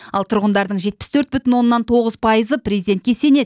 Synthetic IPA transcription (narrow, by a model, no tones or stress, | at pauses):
ɑlˠt̪ʰʊɾʁənd̪ɑɾd̪əɴʒe̞t̪̚pɪ̥st̪ʰɵɾt̪̚bʏt̪ɪnwo̞nːɑnt̪ʰo̞ʁəzpʰɑjəzəprʲezid̪ent̪kʲe̞se̞ne̞d̪